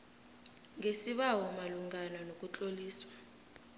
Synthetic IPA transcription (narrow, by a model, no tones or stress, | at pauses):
ŋʱesiɓawɔmaluŋʱananokʼut͡ɬʼoliːswa